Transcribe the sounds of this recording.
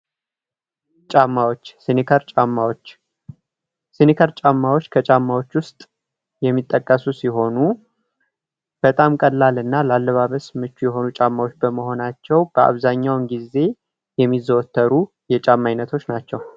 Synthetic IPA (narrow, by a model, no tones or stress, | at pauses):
t͡ʃʼamːawot͡ʃːsinikʰəɾt͡ʃʼamːawot͡ʃː | sinikʰəɾt͡ʃʼamːawot͡ʃːkʰət͡ʃʼamːawo̞t͡ʃːwʊst̪ʼ | jɛmːit̪ʼːəkʼːəsusiɦo̞nu | b̥ət̪ʼamkʼəlːalɨnːalalːəβaβəsmɨt͡ʃːujɛɦo̞nut͡ʃʼamːawot͡ʃːbəməɦo̞nat͡ʃːɛwb̥əa̰βzaɲːawnɡize̞ | jɛmːizːəwɔt̪ʰːəɾu | jɛt͡ʃʼamːajnːət̪ʰo̞t͡ʃːnat͡ʃːɛw